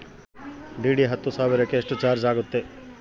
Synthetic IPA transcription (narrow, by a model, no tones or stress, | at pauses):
ɖiːɖiɦɐt̪ːusaːʋiɾɐkːeːʂʈut͡ʃaːɾd͡ʒaːɡut̪ːe